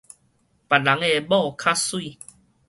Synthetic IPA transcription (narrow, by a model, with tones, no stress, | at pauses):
pa˨˩la˨˦ŋe˧bɔ˥˦˧kʰa˦swi˥˨